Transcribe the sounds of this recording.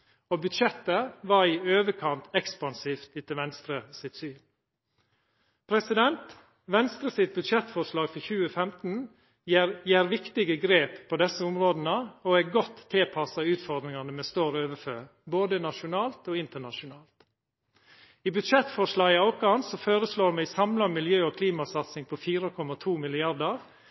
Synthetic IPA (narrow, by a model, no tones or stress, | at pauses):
obʉd̪ʃɛt̪ːəʋɑɾiːøːʋəkʰɑnt̪ʰɛkspɑnsiːft̪ɪt̪ɪʋɛnst̪ɾəsɪt̪syːɾ | pʰɾɛsɪd̪ɛnt̪ | ʋɛnst̪ɾəsɪt̪̚bʉd̪ʃɛt̪fɔʂlɑːɡfɔçʉːəfɛmt̪n̩ | ɾjæːɾʋɪkt̪ɪɡəɡɾeːpʰːoːd̪ɛsːəʊmɾoːd̪n̩əoæɡɔt̪ʰːɪlpʰɑsɑʉːt̪fɔɾd̪ɾɪŋɑnəmɛst̪oːɾøːʋəføːɾ | boːd̪ənɑʂʊnɑːlt̪oːɪnt̪əɳɑʂʊnɑːlt̪ | iːbʉd̪ʃɛt̪fɔʂlɑːɡɪɑʊkɑnsɔføːɾəsloːɾmɛsɑmlɑmɪljøːɔːkʰliːmɑsɑt̪sɪŋpʰɔfiːɾəkʰɔmɑt̪ʰuːmɪlɪɑd̪ɑɾ